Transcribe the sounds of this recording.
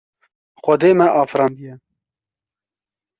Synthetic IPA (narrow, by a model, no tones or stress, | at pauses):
xʷɐd̪eːmɛʔɑːfɾɑːnd̪ijɛ